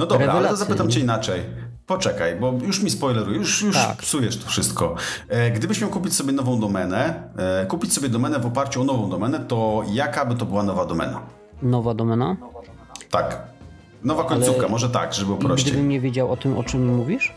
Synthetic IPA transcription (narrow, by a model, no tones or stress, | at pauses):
nɔd̪ɔɾbɾaalɛt̪ɔzapɘt̪amt͡ɕɛinat͡ʂɛj | pɔt͡ʂɛkajbɔjuʂmʲispɔjlɛɾujɛjuʂjuʂpsujɛʂt̪ɔ̥fʂɘst̪kɔɡd̪ɘbɘɕmʲjawkupʲit͡ɕsɔbʲjɛnɔvɔ̃w̃d̪ɔmɛnɛ | kupʲit͡ɕʲsɔbʲjɛd̪ɔmɛnɛvɔpaɾt͡ɕuɔnɔvɔ̃w̃d̪ɔmɛnɛt̪ɔjakabɘt̪ɔbɘwanɔvad̪ɔmɛ̰na̰ | nɔvad̪ɔmɛna | t̪ak | nɔvakɔɲt̪sukamɔʐɛt̪a̰ɡʐɛbɨɔpɾɔɕɡt͡ɕ̪d̪ɛjɘmɲɛvʲjed͡ʑawɔt̪ɘmɔ̰t͡ʂɨmːuvʲiʂ